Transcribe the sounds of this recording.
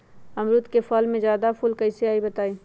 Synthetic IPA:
ɐmɾʊt̪kefɔːlmẽzjaːd̪apʰʊlkɐɪseaːibɐt̪aːiː

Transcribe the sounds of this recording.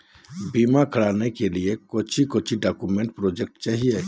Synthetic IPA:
biːmakʰəɽaːnekeliekoːt͡ʃʰikoːt͡ʃʰiɖaːkumẽɳʈpɾoːd͡ʒek̚ʈt͡ʃaːɦie

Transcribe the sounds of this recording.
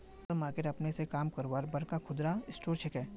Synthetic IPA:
t̪omaːkɪɾɐpnesekaːmkɐɾʋaːɾbɐɾkakʰʊd̪ɾaɪsʈoːɾt͡ʃʰɛkɛ̃ː

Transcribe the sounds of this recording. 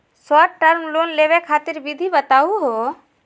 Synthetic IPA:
saːʈʈəɾmloːnleːwekʰaːt̪ɪɾbɪd̪ʱibət̪aːuɦoː

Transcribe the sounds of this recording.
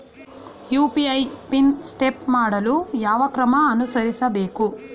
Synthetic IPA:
juːpiɐjpinsʈepmaːɽɐlujaːʋɐkɾɐmɐːnusɐɾisɐbeːku

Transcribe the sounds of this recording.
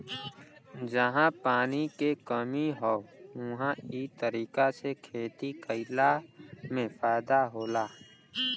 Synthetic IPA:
d͡ʒəɦãpaːnikekəmiɦɔʊɦãit̪əɾiːkasekʰeːt̪ikəɪlamẽpʰaːd̪aɦoːlaː

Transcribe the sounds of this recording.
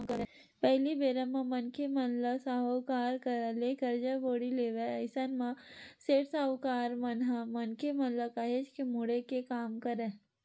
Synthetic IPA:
kəɾẽ | pɛɦlibeːɾəmãmɐnkemɐnləsaɦokaːɾkəɾlekəɾd͡ʒəboːɽileːʋeɐɪsanmãseːʈsaːokaːɾmɐnɦamɐnkemɐnləkaːɦed͡ʒkemuɽekekaːmkɐɾẽ

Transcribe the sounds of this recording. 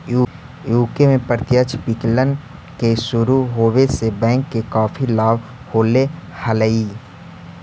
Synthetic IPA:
juː | juːkemẽpəɾɪt̪jət͡ʃʰbɪklən | keʃʊɾuɦoːʋesebɛ̃ːŋkːekaːfʰilaːʋ | hoːlehələiː

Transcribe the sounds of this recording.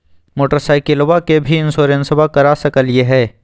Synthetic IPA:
moːʈəɾsaːɪkɪlwakebʱiɪ̃nsoːɾensəbʱakɐɾaːsɐkəljeɦɛː

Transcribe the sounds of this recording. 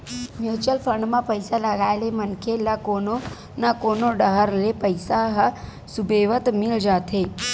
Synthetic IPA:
mjuːt͡ʃəlpʰə̃ɳɖmãpəɪsalɐɡaːelemənkʰelakoːno | nakoːnoɖəɦəɾlepəɪsaɦ | subeːʋət̪mɪld͡ʒaːt̪ʰeː

